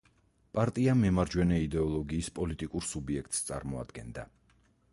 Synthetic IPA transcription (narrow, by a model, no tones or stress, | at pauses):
pʼaɾt̪ʼiamɛmaɾd͡ʒwɛnɛid̪ɛɔlˠɔɡiːspʼɔlit̪ʼikʼuɾsubiɛkʰt̪ʼst̪sʼa̰ɾmɔa̰d̪ɡɛnd̪a̰